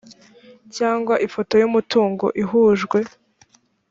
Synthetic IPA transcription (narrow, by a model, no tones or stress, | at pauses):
caːŋɡwaʔifo̞to̞jumutuːŋɡo̞̰ʔiɦuːʒɡwe̞